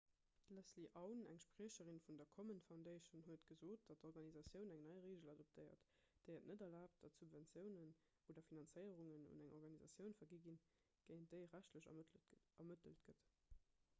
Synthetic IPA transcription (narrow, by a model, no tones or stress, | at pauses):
læsliʔɑʊnæ̰ŋʃpʁiəɕəʁinfundɐkʰɔmənfaʊndeɪʃunɦuətɡ̥əzoːt̚d̥ɑt̚doʁɡɑnizɑsjəʊnæŋnɑɪʁeːʒəlɑdop̚tʰəɪɐ̰t | d̥əɪətnədɐlaːp̚t̚d̥ɑtsubvænt͡sjəʊnən | oːdɐfinɑnt͡səɪəʁuŋənṵnæŋʔɔʁɡɑnizɑsjəʊnfɐɡiɡin | ɡ̥əɪnd̥əɪʁæɕtləɕ | ɐmətəltɡ̥ət